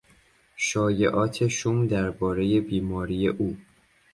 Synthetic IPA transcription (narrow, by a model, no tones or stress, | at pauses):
ʃɒːje̞ʔɒːt̪ʰeʃuːmd̪æɾbɒːɾe̞je̞biːmɒːɾije̞ʔuː